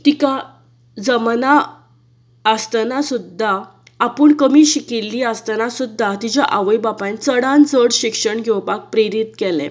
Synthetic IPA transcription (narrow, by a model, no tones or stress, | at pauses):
t̪ika | d͡zəmna | əst̪nasud̪ʱːaː | pəɳkəmiːɕikilːiast̪ənasud̪ʱːat̪it͡ɕjaʔaʋəjbapãnt͡səɽãnd͡zəɽɕikʂəɳɡʱɛwpak̚pɾeɾit̪kɛlɛ̰̃